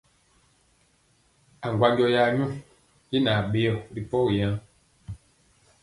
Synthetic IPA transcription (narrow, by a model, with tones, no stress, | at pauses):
a˨ŋɡwa˦ɲɡɔ˦ja˨˦ɲũ˦ | ji˦na˨ɓe˦ɔ˨ɾi˨pɔ˦wi˨jã˦